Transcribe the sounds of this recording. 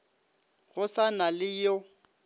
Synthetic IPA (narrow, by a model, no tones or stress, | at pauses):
ɣʊsanalɪjo